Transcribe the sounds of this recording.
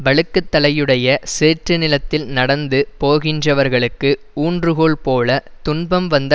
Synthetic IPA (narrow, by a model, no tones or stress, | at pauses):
ʋɐɭɯkːɯt̪ːɐlɐjɯɽɐjɐseːʈrɯnɪlɐt̪ːɪlnɐɽɐnd̪ɯpoːɣɪndrɐʋɐɾɣɐɭɯkːɯ | uːndrɯɣoːɭpoːlɐt̪ʊɳbɐmʋɐnd̪ɐ